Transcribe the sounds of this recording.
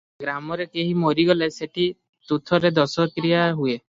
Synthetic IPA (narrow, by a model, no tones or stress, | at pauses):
ɡɾamɔɾekeɦimoɾiɡɔleseʈʰi | t̪ut̪ʰɔɾed̪ɔsɔkɾijaɦue